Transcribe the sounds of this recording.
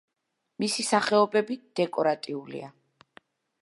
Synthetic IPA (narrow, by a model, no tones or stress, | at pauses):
misisaχɛɔbɛbid̪̥ɛkʼɔɾat̪ʼiulḭa